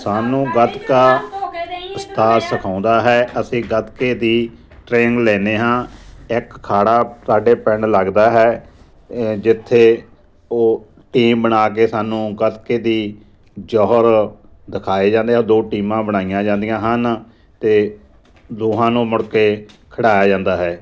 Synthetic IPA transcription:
saːnũːɡət̪kaː | əst̪aːsəkʰãːʊ̃nd̪aːɦɛːʔəsĩːɡət̪keːd̪iː | ʈɾeːŋɡlɛːneːɦãːɪkkʰːaːɽaːsaːɖeːpɛɳləɡd̪aːɦɛː | d͡ʒɪt̪ʰːeː | oː | ʈiːmbəɳaːk̬eːsaːnũːɡət̪keːd̪iː | d͡ʒɔːɦəɾ | d̪ɪkʰaːeːd͡ʒãːnd̪eːɦɛd̪oːʈiːmãːbəɽaːijãːd͡ʒãːnd̪ijãːɦən | t̪eː | d̪oːɦãːnũːmʊɽkeːkʰəɽaːjaːd͡ʒãːnd̪aːɦɛː

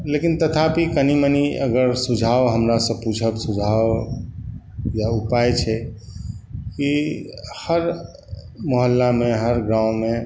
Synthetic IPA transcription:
lekint̪ət̪ʰapikəniməniəɡəɾsud͡ʒʱawɦəmɾasə̃put͡ʃʰəbsud͡ʒʱaw | jaupajt͡ʃʰɛ | kihəɾ | moɦəlːameɦəɾɡɾãʊ̃me

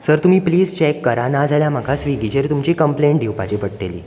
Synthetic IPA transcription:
səɾt̪um̤iːpliːd͡zt͡ɕɛkːəɾanad͡zʱaljam̤aɡʱasʋiɡid͡ʑeɾt̪umt͡ɕekəmpleɳʈ̚ɖ̪ʱewpat͡ɕepəɽʈ̪elḭː

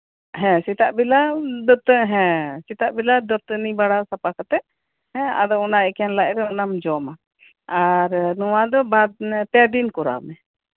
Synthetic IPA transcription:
ɦɛ̃sit̪aʔbilad̪ɔt̪ɦɛ̃sit̪aʔbilad̪ɔt̪nibaɽasapakat̪ɛʔ | hɛ̃a̰d̪ɔɔnaɛkɛjanlaʔɾɛɔnamd͡ʒɔma | aɾnuwad̪ɔbad̪pɛd̪inkɔɾa̰mɛ

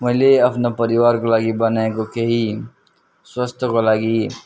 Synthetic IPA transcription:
mɐɦleɐpnapɐɾɪwaːɾkolaːɡibɐnekokeɦi | swɐst̪ʰkolaːɡi

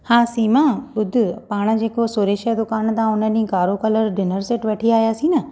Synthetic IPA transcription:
hãːsiːmãɓʊd̪ʱʊ̆paːɽ̃ə̆d͡ʑeːkosoːɾeːʃəd̪ʊkaːnt̪ãʊnəɗĩkaːɾokɐləɾɖɪnəɾsɪʈʋɐʈʰiaːɦjaːsĩːnɐ

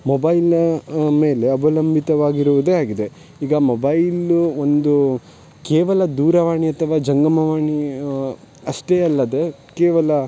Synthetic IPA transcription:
mobɐjlme̞ːle̞ɐbɐlɐmbʱit̪ɐʋaːɡiɾuʋud̪e̞ːaːɡid̪e̞ | iːɡɐmobɐjluond̪u | keːʋɐlɐd̪uːɾɐʋaːɳiɐt̪ʰɐʋaːd͡ʒɐŋɡɐmɐʋaːɳi | ɐʂʈeːɐlːɐd̪e̞ | keːʋɐlɐ

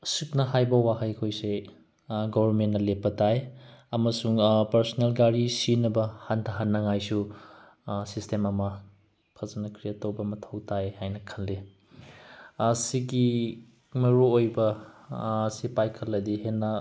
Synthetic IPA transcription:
sut̚nɐɦajbɐwaɦɐjkʰojse | ɡobʱɐɾmentnɐlepːɐtajɐmɐsuŋpɐɾsonelɡaɾisinɐbɐhantʰɐɦanːɐŋajsu | sistʰemɐmɐ | pʰɐzɐnɐkʰɾiɐtowbɐmɐtʰɐwtʰajhajnɐkʰɐlːe | ɐsiɡi | mɐɾuojbɐː | sipajkʰɐlːɐdihenːɐ

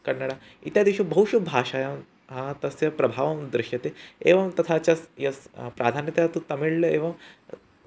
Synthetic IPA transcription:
kɐɳːɐɽa | it̪jaːd̪eʃubɐɦuʃubʱaːʃaːjɐm | ɦat̪ɐsjɐpɾɐbʱaːʋɐmd̪ɾɪʃjɐt̪eeːʋɐmt̪ɐt̪ʰaːt͡ʃɐsjɐspɾʔaːd̪ʱaːnjɐt̪jat̪ut̪ɐmiɭlɐeːʋɐm

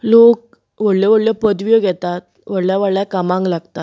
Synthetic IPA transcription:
lok̚ | ʋəɽljɔʋəɽljəpəd̪ʋjəɡʱɛt̪at̪ | ʋəɽljaʋəɽljakamãŋklaɡt̪at̪

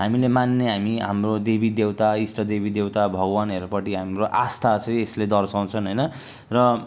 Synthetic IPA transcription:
ɦamilemanːeɦamiɦa̰mrod̪ebʱid̪ewt̪aisʈʌd̪ebid̪ewt̪abʱʌɡwaneɾupʌʈiɦamroʔast̪ʰat͡sʌ̃j̃esled̪ʌrsaw̃t͡sʰʌnɦʌjnʌ | rʌ

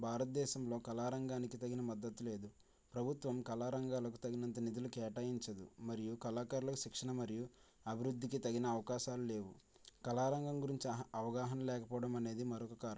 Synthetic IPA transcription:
bʱaːɾɐt̪̚d̪ɛːʃɐmlo̞ːkɐlaːɾɐŋɡaːnikit̪ɐɡinɐmɐd̪ːɐt̪ːule̞ːd̪u | pɾɐbʱut̪ʋɐmkɐlaːɾɐŋɡaːlɐk̬ut̪ɐɡinɐnt̪̬ɐnid̪ulukɛːʈaːjiɲt͡ʃɐd̪ṵmɐɾijukɐlaːkaɾulɐkuʃikʂɐnɐmɐɾiju | ɐbʱiɾud̪ʱːikit̪ɐɡinɐːʋɐkaːʃaːlule̞ːʋwṵ | kɐlaːɾɐŋɡɐmɡuɾiɲt͡ʃiɐʋɐɡaːɦɐnɐlɛːkɐpɔːɐɽɐmɐne̞ːd̪imɐɾɔkɐkaːɾɐ

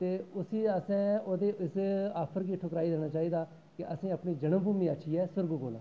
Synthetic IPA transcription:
t̪eːʊsiːəsɛ̃ːoːd̪eːʔɪsaːpʰəɾkiːʈʰʊkɾaːid̪eːɽ̃aːt͡ʃaːiːd̪aː | kɪʔəsĩːəpɳiːd͡ʒəɽəmbuːmiːaʃʰiːɛːsəɾɡuːkoːlã̰ː

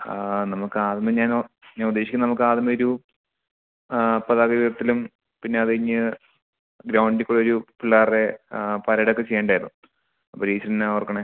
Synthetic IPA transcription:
nɐmukːɨaːðimɐɲaːnɲanud̪eːɕikʲːnɐmukːɨaːðimɐoɾu | pɐðaːɡɐʋiðɐt̪ːilum | pinːe̞ɐðɨiɲːɨ | ɡɾɐwɳɖikʲːuɽeoɾupulːaːrepɐɾɐɽɐokːet͡ɕejːeːɳɖaːjɾnːu | ɐpːoɾiːt͡ɕːɐrnːurkːɐɳe

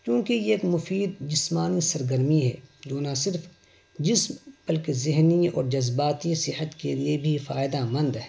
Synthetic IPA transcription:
t͡ʃjũːkeeːkmʊfiːd̪̚d͡ʒɪsmaːnisɐɾɡəɾmiɦɛ̰ːd͡ʒoːnasɪɾf | d͡ʒɪsmbɐlkezɪɦniɔ̰ːɾd͡ʒɐzbaːt̪isɪhət̪keliebʱifaːɪd̪amɐ̃nd̪ɦɛ

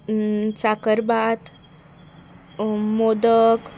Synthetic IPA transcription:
t͡sakəɾbat̪ | mod̪ək

